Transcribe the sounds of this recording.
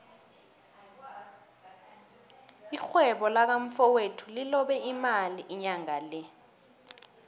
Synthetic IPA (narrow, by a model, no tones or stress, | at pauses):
ixwɛɓɔlak̬aɱ̩fɔwetʰulilɔɓɛimaliʔiɲaŋalɛ